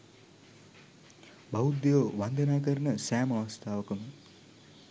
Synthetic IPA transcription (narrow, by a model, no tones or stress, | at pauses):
baud̪ejoʋand̪ənaːk̬əɾənəsæːmɐʋɐst̪ʰaːʋəkəmə